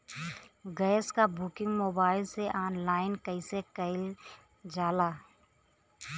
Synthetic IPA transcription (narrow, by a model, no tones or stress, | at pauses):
ɡəːskabʊkɪ̃ŋɡmoːbaːɪlseʔaːnlaːɪnkəɪsekəɪl | d͡ʒaːlaː